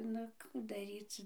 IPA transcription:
nʊ ˈkuː dɐˈrʲiːt͡s

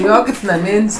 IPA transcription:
ˈjoː kɐɪp nɐˈmʲɪnʲsʲ

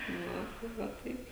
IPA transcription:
ˈʋɐ tɐɪ ˈʋɐ ˈtɐɪp

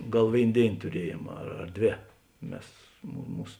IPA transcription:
ˈɡɐlˠ ˈʋʲeːɪn ˈdʲeːɪn tʊˈrʲiɛjeːm ɐr ɐr ˈdʲʋʲeː ˈmʲɛs mʊ ˈmuːs

